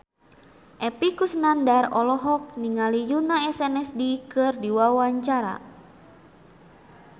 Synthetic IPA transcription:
ʔɛpikusnandarɔlɔɦɔk̚niŋalijunaɛsɛnɛsdikɨrdiwawaɲt͡ʃaɾa̰

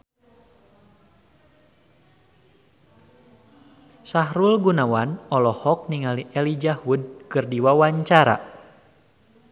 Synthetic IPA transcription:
saɦɾulɡunawanɔlɔhɔk̚niŋaliʔɛlid͡ʒahud̚kɨrdiwawaɲt͡ʃaɾa̰

